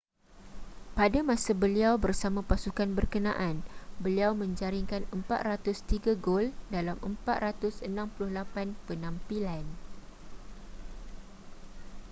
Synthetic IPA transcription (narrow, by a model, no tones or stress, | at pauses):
padamãsabəliawbərsamãpasukanbərkənã̰ʔanbəliawmə̃ɲd͡ʒaɾiŋkanəmpat̪̚rat̪ʊst̪iɡaɡoldalamʔəmpat̪̚rat̪ʊsənãmpulʊhlapanpənãmpilan